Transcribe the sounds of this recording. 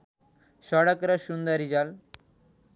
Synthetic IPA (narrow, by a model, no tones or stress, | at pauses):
ɕɔɽəkɾəɕund̪aɾid͡ʑal